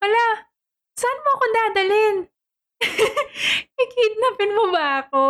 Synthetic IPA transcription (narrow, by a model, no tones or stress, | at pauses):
pɐla | saɐnmoʔɐkond̪aːd̪ɐlɪn | kikid̪̚nɐpɪnmobɐʔɐko